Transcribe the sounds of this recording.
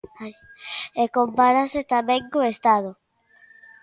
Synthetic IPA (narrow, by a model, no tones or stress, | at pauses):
a | ekompaɾaset̪ameŋkoest̪aðo